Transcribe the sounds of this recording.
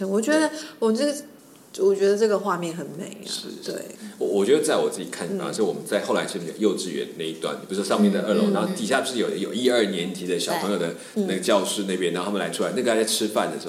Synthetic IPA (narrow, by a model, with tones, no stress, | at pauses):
ə˧˥nwɔ˨˩t͡ɕɥɛ˧˥d̪ə˧wɔ˨˩ə˥˩ | wɔ˨˩t͡ɕɥɛ˧˥d̪ə˧ʈ͡ʂɤ˥˩ɡə˩xwa˥˧mjɛ˥˩nxə˧˥nme˨˩˦ɪlʂɻ̩˥t̪wḛ˥˩ɪ˩wɔ˧˦wɔ˨˩t͡ɕɥɛ˧˥d̪ə˧t͡sa˥˩ɪwɔ˨˩t͡sɹ̩˥˩t͡ɕi˨˩kʰa˥˩n˨a̰˥˨˩wɔ˨˩mə˦nt͡sa˥˧ɪxo˥˩ʊla˧˥ɪt͡ɕʰme˧˥˩jo̰˨˩jo˥˧ʊʈ͡ʂɻ̩˥˩ɥɛ̰˧˦nna˥˧i˧˩t̪wa˥˩npu˧˩u˥˩ʂwɔ˥ʂɑ˥˧ŋmjɛ˥˩nd̪ə˩ʔə˞˥˩lo˧˥˦ŋna˧˥˩t̪i˨˩ɕja˥˩pu˧˥ʂɻ̩˥˩jo˨˩ʊ˥jo˨˩ʊi˥˧ə˞˥˩njɛ˧˥nt̪ʰi˧˥d̪ə˧˩ɕjɑ˨˩ʊpʰɤ˧ŋjo˨˩d̪ə˩ | n˥˩ɡə˩t͡ɕjɑ˥˧ʊʂɻ̩˥˧na˥˩p̬jna˧˥˩t̪ʰmə˨la˧˥ɪʈ͡ʂʰu˥a˦ɪn˥˩ɡjʈ͡ʂʰɻ̩˥fa̰˥˩nd̪ə˩˧˥